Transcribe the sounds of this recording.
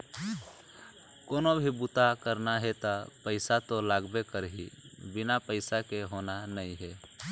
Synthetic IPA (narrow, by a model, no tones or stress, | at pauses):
konobʱibut̪akəɾnaɦet̪ɔpəɪsat̪olaɡbekəɾɦḭbinapəɪsakeɦonanəiɦe